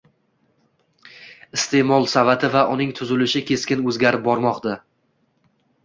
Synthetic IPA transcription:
ɪst̪e̞mɒlˠsavat̪ʰɪvaʔʊnɪŋt̪ʰʊzɪlɪʃɪkʲʰe̞skʲɪnɵzɡʲaɾɪp̚bɒɾmɒqt̪a

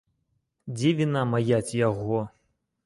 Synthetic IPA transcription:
d͡zʲevʲinamajat͡sʲjaɣɔ

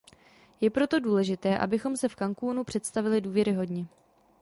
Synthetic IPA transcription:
jɛpɾo̞t̪o̞duːlɛʒɪt̪ɛːʔa̰bɪxo̞msɛfkaŋkuːnupr̝̥ɛt̪st̪avɪlɪduːvjɛɾɪɦo̞dɲɛ

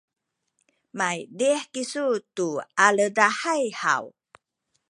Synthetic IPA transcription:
majdihkisutualədahajha̰w

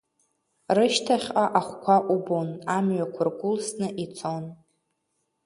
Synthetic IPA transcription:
rɨʃtʰaχʲaʔaχʷkʷʰaʔubonamɥakʷʰarɡʷʼʊlsnɨʔit͡sʰon

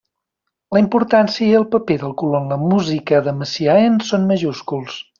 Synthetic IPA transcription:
ləimpuɾt̪ansiəiəlˠpəpeðəlˠkuloənləmuzikəðəməsiaensonməʒuskulˠs

